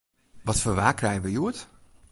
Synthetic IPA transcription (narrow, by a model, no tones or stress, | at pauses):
ʋɔtfəʋaːkrɛjəʋəjuət